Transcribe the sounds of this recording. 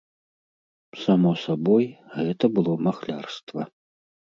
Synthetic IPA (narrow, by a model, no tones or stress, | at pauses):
samɔsabɔjɣɛt̪ɐbɨlˠɔmaxlʲarst̪vɐ